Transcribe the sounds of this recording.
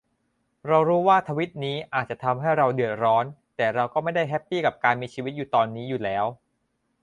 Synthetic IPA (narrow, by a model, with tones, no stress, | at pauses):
ɾa˧wɾuː˦˥waː˥˩t̪ʰaː˧wi˦˥t̪̚niː˦˥ʔaː˨˩t̪̚t͡ɕa˨˩t̪ʰa˧mɦa˥˩jɾa˧wdɯ˨˩ət̪̚ɾɔː˦˥nt̪ɛː˨˩ɾa˧wkɔː˥˩ma˥˩jda˥˩jɦɛ˦˥pːiː˥˩ka˨˩p̚kaː˧nmiː˧t͡ɕʰiː˧wi˦t̪̚juː˨˩t̪ɔː˧nːiː˦˥juː˨˩lɛː˦˥w